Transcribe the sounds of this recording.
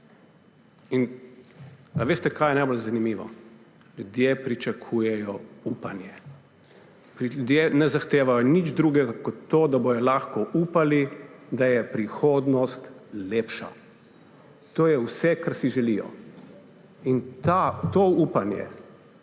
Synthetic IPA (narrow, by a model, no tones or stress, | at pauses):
in | aʋeːst̪ɛkaːjɛnajbolzanimiːʋɔ̰ | lʲud̪jepɾit͡ʃakʰuːjɛjɔuːpanjɛ | pɾiud̪jenɛzaxt̪eːʋajɔnid͡ʒd̪ɾuːɡɛɡakɔt̪ːoːd̪abojɔlaːxkɔʔuːpalid̪ajɛpɾixoːd̪nɔst̪leːpʃa̰ | t̪oːjɛwsɛkaɾsiʒɛlijɔ̰ | int̪at̪ouːpanjɛ̰